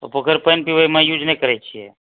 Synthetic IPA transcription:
opokʰəɾpəjnpiʋamãjud͡ʒnekəɾɛt͡ʃʰiḛ

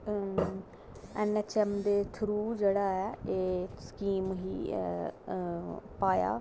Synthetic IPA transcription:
ɛːnɛːt͡ʃɛmd̪eːt̪ʰʊɾuːd͡ʒeːɽaːɛːeːskiːmɦḭː | paːja̰ː

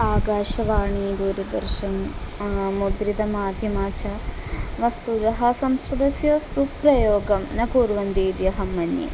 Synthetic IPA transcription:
aːɡaːʃɐʋaːɳid̪uːɾɐd̪ɐɾʃɐn | mud̪ɾid̪ɐmaːd̪ʱjɐmaːt͡ʃɐ | ʋɐst̪ud̪ɐɦɐsɐmsɾɐd̪ɐsjɐsupɾɐjoːɡɐmnɐkuːɾʋɐnd̪iːd̪jɐɦɐmːɐnjḛ

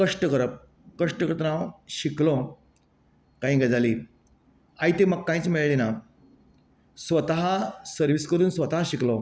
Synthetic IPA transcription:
kəʂʈəkəɾəp̚ | kəʂʈəkəɾət̪naʋɕiklɔ̃ | kãɦĩːɡad͡zaliː | ait̪eməɡkːãĩt͡smiɭlina | sʋət̪aɦasəɾʋiskəɾuːnsʋət̪aɦaɕiklɔ̃

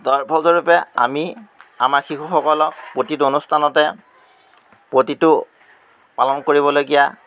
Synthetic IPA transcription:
dɔɹpʰɔlzɔɹupɛa̰mia̰maɹxikuxɔkɔlɔk̚pɹotitonustʰanɔtɛ | pɹotitʊ | palɔnkoɹiβɔlojɡija

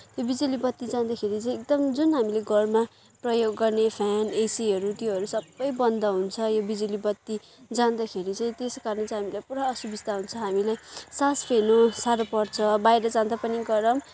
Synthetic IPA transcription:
t̪jobid͡zulibʌt̪ːid͡zãnd̪akʰeɾit͡saĩek̚d̪ʌmd͡zunɦamileɡʌrma | prʌjoɡːʌrnepʰanesiɦʌɾut̪joɦʌɾusʌbːʌjbʌnd̪ʌɦunt͡sʰʌjobid͡zulibʌt̪ːi | d͡zand̪akʰeɾit͡saĩt̪eskaɾnʌt͡saɦamilajpuɾaʌsubisd̪aɦunt͡sʰʌɦamilajsaspʰenosaɾopʌrt͡sʰʌbajɾʌd͡zãnd̪apʌniɡʌɾʌm

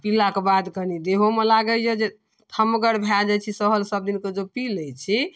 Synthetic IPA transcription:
pilakebad̪kənid̪eɦomelaɡəjed͡ʒe | t̪ʰəməɡəɾbʱjald͡ʒat͡ʃʰisəɦəlsəb̚d̪inked͡ʒopiləjt͡ʃʰi

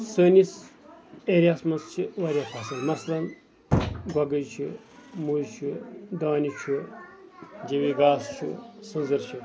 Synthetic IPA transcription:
səːnis | eːɾʲjaːsmɐnst͡ʃʰiʋɐɾʲjapʰasɐnmɐsɐlɐn | ɡɐɡɐjt͡ʃʰi | mujt͡ʃʰud̪aːnit͡ʃʰu | d͡ʒewiɡaːst͡ʃʰṵsɐnzɐɾt͡ʃʰi

